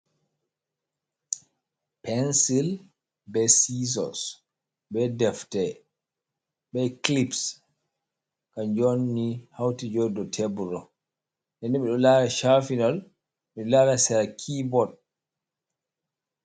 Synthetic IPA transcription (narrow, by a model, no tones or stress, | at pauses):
pɛnsil | bɛsizɔ̰s | bɛdɛftɛ | ɓɛklips | kaɲd͡ʒonːihawtid͡ʒɔdɔtʰebuɾɔ | ndɛnːiɓɛɗɔlaɾɛʃafinɔl | ɓɛlaɾɛsɛɾakʰibɔd̚